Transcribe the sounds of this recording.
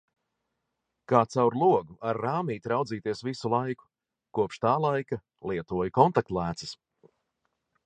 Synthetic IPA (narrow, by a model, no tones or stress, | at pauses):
kaːt̪sawɾlˠuɔɡuʔaɾːaːmiːt̪ɾawd̪ziːt̪iɛsvisulˠajku̥ | kuɔpʃt̪aːlˠajka | lˠiɛt̪uɔjkɔnt̪ak̚t̪lˠæːt̪sɨs